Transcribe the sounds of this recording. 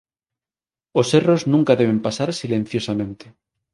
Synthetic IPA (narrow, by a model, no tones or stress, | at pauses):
o̞se̞ro̞znũŋkaðe̞β̞e̞mpasaɾsilẽ̞n̟θjo̞samẽnt̪e